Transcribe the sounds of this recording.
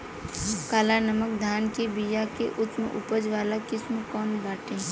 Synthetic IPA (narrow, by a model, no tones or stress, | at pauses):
kaːlanəmək̚d̪ʱaːnkebijakeʔʊt̪mḛ̃ʔʊpəd͡ʒʋaːlakɪsmõkɔːnɡaːʈẽː